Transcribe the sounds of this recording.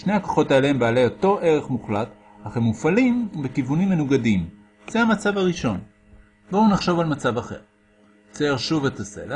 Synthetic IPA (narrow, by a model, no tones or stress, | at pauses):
ʃnehako̥χo̞taelehembaːle̞jo̞to̞ʔe̞ʁe̞χmuχlat | haχemːufalimbekivunimːe̞nuɡadim | z̥eamat͡savaʁiʃo̞n | bounaχʃo̞valmat͡savaχe̞̰ʁ | t͡seeʁʃuvetase̞̰la